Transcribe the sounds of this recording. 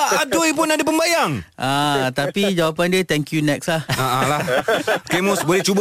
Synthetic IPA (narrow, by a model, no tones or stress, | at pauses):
adoip̬ʊnadapəmbajaŋʔat̪apid͡ʒawapandiət̪ɛŋkjunɛkslahaʔalahkemɔsbolɛht͡ʃubə